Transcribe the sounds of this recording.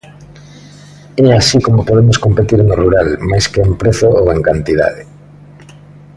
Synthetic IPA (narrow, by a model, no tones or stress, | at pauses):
ɛasikomopoðemoskompet̪iɾeŋoruɾalmajskeempɾeθooeŋkant̪iða̰ðe